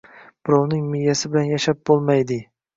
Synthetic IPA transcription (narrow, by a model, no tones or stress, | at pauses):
b̥ɪɾɒwnɪŋmɪjːasɪbɪlanjaʃap̚b̥olˠmajd̪ɪ